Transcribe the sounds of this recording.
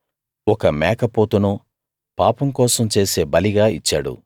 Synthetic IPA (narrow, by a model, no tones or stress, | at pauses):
ɔkɐmɛːkɐpoːt̪unu | paːpɐmkɔːsɐmt͡ʃe̞ːse̞ːbɐliɡaːit͡ʃːaːɽṵ